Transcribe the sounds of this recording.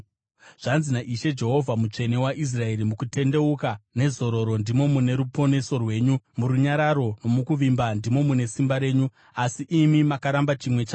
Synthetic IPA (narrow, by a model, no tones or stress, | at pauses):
ʐ̥anzinaʔiʃe̞d͡ʒe̞ɦo̞vʱamut͡ʂe̞ne̞waʔis̬rae̞ɾimukute̞nde̞ukane̞zo̞ɾo̞ɾo̞ndimo̞mune̞ɾupo̞ne̞so̞rwe̞ːɲumuɾuɲaɾaɾo̞no̞mukuʋimbandimo̞mune̞simbaɾe̞ːɲu | asiʔimimakaɾambat͡ʃimwe̞t͡ʃaː